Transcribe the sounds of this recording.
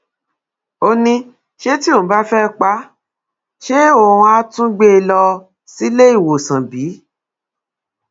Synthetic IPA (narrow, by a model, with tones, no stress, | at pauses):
o˧nĩ˧ | ʃe˦ti˦o˦˨˦ba˦fɛ˦˧k͡pa˦ | ʃe˦o˧hũ˧a˧˦tũ˦ɡ͡be˦˧lɔ˧ | si˦le˦i˦˨wo˨sã˨bi˨˦